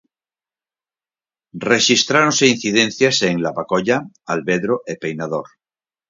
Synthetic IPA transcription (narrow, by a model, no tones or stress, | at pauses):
reʃist̪ɾaɾonse̞in̟θiðẽnθjaseŋlaβakoʎa | alβeðɾoʔepejnað̞oɾ